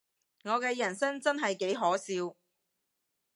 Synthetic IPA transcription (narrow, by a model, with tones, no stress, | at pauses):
ŋɔː˨˧kɛː˧jɐ˨˩nsɐ˥ŋt͡sɐ˥nɦɐ˨jke˨˥jɦɔː˨˥siː˧w